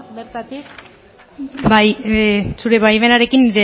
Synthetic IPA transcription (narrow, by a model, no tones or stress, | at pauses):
ɾ | bajsuɾe̞βajβe̞naɾe̞kinːiɾe